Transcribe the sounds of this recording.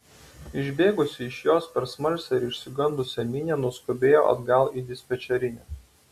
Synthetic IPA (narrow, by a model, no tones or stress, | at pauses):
ɪʒʲbʲeːɡʊsʲɪɪʃjoːspʲɛɾsmɐlʲsʲɛɪɾɪʃʲsʲɪɡɐnd̪ʊsʲɛmʲɪnʲeːnʊɔskʊbʲeːjo̰ːʔɐ̰d̪ɡɐlˠid̪ʲɪsʲpʲɛt͡ʃʲɛɾʲɪnʲɛː